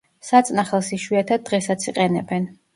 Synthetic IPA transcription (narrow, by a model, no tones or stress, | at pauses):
sat̪sʼnaχɛlˠsiʃwiat̪ʰad̪̚d̪ːʁɛsat̪sʰiqʼɛnɛbɛn